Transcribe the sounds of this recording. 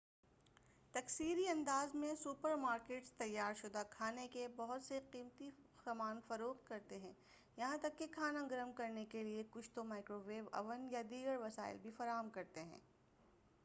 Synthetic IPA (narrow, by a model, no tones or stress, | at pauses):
t̪ɐksiːɾiɐ̃nd̪aːzmẽsuːpəɾmaːɾkeːʈst̪ɐjːaːɾʃʊd̪akʰaːnekebɐɦʊt̪seqiːmt̪i | xɐmaːnfɐɾoːxt̪̚kɐɾt̪eɦɛ̃ː | jɐɦãt̪ɐkːekʰaːnãɡɐɾəmkɐɾnekeliekʊt͡ʃʰt̪omaːɪkɾoʋeːbɐ̰ʋənjad̪iːɡəɾʋɐsa̰ːɪ̰lbʱifɐɾaːɦəmkɐɾt̪eɦɛ̰̃ː